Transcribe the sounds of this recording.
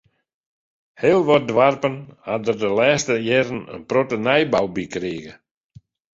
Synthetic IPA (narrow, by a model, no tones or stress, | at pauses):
hɪəlˠʋɔt̚dʋarpənhadərdəlɛːstəjɛɾənə̰nprotənɛjbawbikriːɣə